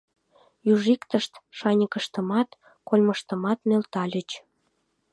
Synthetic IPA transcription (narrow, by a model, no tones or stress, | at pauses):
juʒikt̪əʃt̪ʃɑnʲəkəʃt̪əmɑt̪ | kolʲməʃt̪əmɑt̪nelt̪ɑlʲə̆t͡ɕ